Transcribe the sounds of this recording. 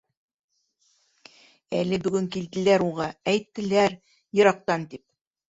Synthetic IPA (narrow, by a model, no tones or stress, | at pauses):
ælɘbɵ̆ɡɵŋkilt̪ɘ̆læɾulˠʁɑæjt̪ːɘ̆læɾ | jɤ̆ɾɑq̚t̪ɑnt̪ip̚